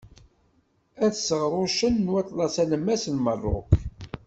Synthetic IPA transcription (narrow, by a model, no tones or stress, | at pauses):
æθsəʁɾˤoʃənːwæt̪ˤlɑsæləmːæsnmərˤːo̰k